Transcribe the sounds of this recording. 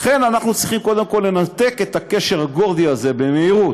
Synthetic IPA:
χe̞nanaχnut͡sʁiχimko̞d̪emko̞lːe̞nat̪e̞ke̞t̪akeʃe̞ʁhaɡo̞ʁd̪iaze̞be̞meiʁut̪

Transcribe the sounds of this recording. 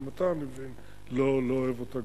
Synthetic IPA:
mat̪amevin | lolooevot̪aɡ

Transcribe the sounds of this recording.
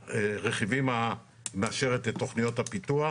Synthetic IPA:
eʁeχivima | meaʃe̞ʁet̪et̪ːo̞χnijo̞t̪hapit̪ua

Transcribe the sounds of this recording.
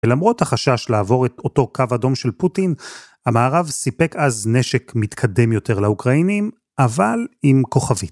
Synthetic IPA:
elamʁo̞thaχaʃaʃlaːvo̞ʁeto̞to̞kavado̞mʃe̞lputin | amaːʁavsipe̞kazne̞ʃekmitkʰade̞mjo̞te̞ʁlaukʁainim | ʔavalimko̞χavit

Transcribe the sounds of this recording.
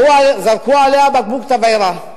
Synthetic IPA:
uazaɾkualeabak̚bukt̪avajɾa

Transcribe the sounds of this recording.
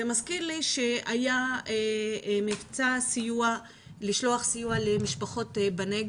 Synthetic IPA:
emaskiʁliʃeajaemivt͡sasijua | liʃlo̞aχsijualemiʃpaχo̞tbaneɡ

